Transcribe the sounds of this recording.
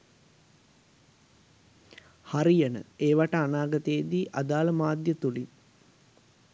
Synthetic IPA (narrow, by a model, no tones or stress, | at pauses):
haɾijənə̰eːʋaʈəanaːɡət̪əed̪iːʔad̪aːləmaːd̪jət̪ulin